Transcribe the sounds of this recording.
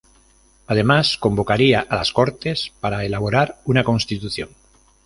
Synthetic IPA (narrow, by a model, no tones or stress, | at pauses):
að̞e̞masko̞mbo̞kaɾiaʔalasko̞ɾt̪e̞spaɾaelaβ̞oɾaɾunakõ̞nst̪it̪uθjoŋ